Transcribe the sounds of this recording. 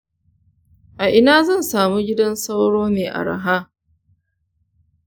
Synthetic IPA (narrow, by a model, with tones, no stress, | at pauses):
ʔa˨ʔɪ˦naː˦zɐ˦˨nsaː˨mu˦ɡʲɪ˦dɐ˦nsa˦wɽoː˦meː˨ʔa̰˨ɽa̰˨ɦaː˦